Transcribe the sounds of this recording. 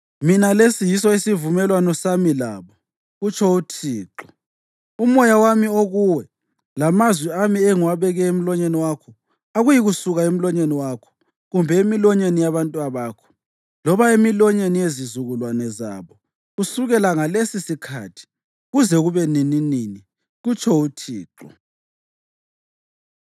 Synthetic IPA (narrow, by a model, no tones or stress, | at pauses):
minalesijisɔisivumɛlwanɔsamila̰ːβɔ | ɣut͡ʃʰɔutʰiːǃɔ̥ | umɔjawamioɣuwɛ | lamazwiamiɛŋwaβɛɣɛem̩lɔɲeniwakʰɔ | aɣujiɣusuɣaem̩lɔɲeniwaːkʰɔ̥ | ɣumbʱɛemilɔɲenijaβantʼuaβaːkʰɔ̥ | lɔβaemilɔɲenijezizuɣulwanɛza̰βɔ | ɣusuɣɛlaŋalesisikʰa̰tʰi̥ | ɣuzɛɣuβɛnininini | ɣut͡ʃʰɔutʰḭːǁɔ̰